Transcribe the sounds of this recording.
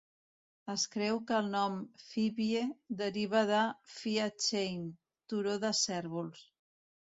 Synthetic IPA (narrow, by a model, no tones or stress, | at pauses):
əskɾɛwkəːlˠnɔmfiβjed̪əɾiβ̞əðəfiat͡ʃejn | t̪uɾoðəsɛɾβuls